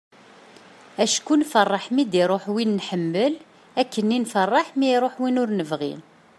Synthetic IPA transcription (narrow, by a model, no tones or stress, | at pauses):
æʃkunfərˤːɑħmid̪iɾˤoħwinːħəmːəl | ækːənːinfərˤːɑħmiɾˤoħwinʊɾnəvʁḭn